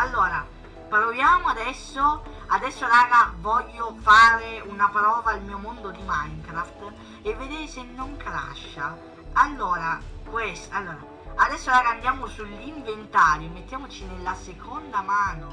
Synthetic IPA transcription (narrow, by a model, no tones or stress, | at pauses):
alːoːɾa | pɾovjaːmoad̪ɛsːo | ad̪ɛsːoaɾaːɡavɔʎːofaːɾeunapɾɔːvailmiːomond̪od̪imaŋkɾaft̪ | evːed̪eːɾesenːoŋkɾa̰ʃːa | alːoːɾakwɛsalːoːɾaː | d̪ɛsːoaɾaːɡaːnd̪jaːmosulːiɱvent̪aːɾjomet̪ːjaːmot͡ʃinelːasekʰond̪amaːno